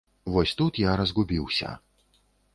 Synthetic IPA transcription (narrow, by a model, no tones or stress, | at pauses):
vɔsʲt̪ut̪jaɾɐzɡubʲiwsʲɐ̰